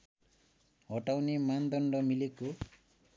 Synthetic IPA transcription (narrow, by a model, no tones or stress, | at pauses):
ɔʈawnimand̪ɔɳɖɔmiliku